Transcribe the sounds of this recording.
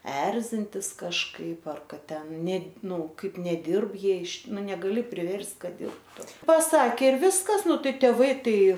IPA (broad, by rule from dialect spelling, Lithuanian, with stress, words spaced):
ˈɛrʲzʲɪnʲtʲɪs kɐʃˈkɐɪp ˈɐr ˈkɐt ˈtʲɛn ˈnʲɛ ˈnʊ ˈkɐɪp nʲɛˈdʲɪrp ˈjiɛ ɪʃ ˈnʊ nʲɛɡɐˈlʲɪ pʲrʲɪʋʲɛrʲsʲtʲ ˈkɐt ˈdʲɪrptʊ pɐˈsɑːkʲeː ɪr ˈʋʲɪskɐs ˈnʊ ˈtɐɪ tʲeːˈʋɐɪ ˈtɐɪ